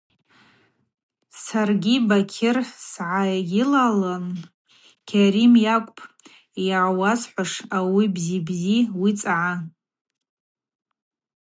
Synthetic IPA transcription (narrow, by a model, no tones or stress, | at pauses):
sarɡʲibakʲʰɪrsʕajɡʲɪlalan | kʲʰaɾimjakʷʼpʰʼ | jaʕwasħʷaʂawibzibziwit͡sʼaʕa